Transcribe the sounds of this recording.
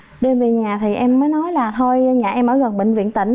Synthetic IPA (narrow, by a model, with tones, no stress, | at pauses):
ɗnve˨˩ɲaː˨˩t̪ʰi˨˩ʔɛ˧mːəː˨˦jnɔ˨˦jlaː˨˩t̪ʰo˧jɲaː˨˩ʔɛ˧mʔəː˧˩ɣə˨˩nɓḭ̈˧˨ŋ̟vḭ˧˨ənt̪ï˧˩ŋ